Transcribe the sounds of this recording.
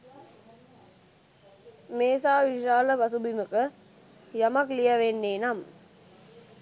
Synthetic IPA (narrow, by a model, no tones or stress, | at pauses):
meːsaːʋiʃaːləpasubiməkə | jamaklijaʋenːeːnam